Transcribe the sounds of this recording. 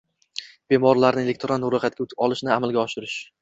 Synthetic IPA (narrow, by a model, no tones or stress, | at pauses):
b̥e̞mɒɾlaɾnɪelʲek̚ʲt̪ɾanːʊɾɒχat̪̚kʲaʊt̪ʰɪ̥ɒlˠɪʃnɪamalɡʲaɒʃɪɾɪʃ